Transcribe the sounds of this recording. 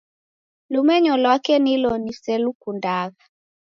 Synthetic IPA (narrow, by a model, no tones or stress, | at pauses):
lumɛɲɔlwakeniloniselukundaɣa